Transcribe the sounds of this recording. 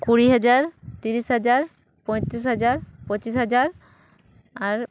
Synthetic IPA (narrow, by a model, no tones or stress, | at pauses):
kuɹiɦad͡ʒaɹt̪iɾisɦad͡ʒaɹ | pɔj̃t̪ɾis̬ɦad͡ʒaɹpɔt͡ɕisɦad͡ʒaɹ | aɹ